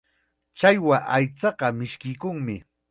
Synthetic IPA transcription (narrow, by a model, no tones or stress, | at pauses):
t͡ʃajwaʔajt͡sɑɢɑmɪʃkɪjkʊŋmɪ